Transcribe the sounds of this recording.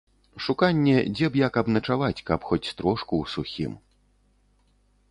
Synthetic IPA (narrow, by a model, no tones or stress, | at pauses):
ʂukanʲːɛd͡zʲɛbjakɐbnɐt͡ʂavat͡sʲkɐpxɔt͡sʲst̪ɾɔʂkuwsuxʲḭm